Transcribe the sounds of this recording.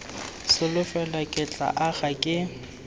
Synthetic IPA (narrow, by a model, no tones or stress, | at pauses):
sɪlʊfɛlakʼɪt͡ɬʼa̰ʔaɣakʼɪ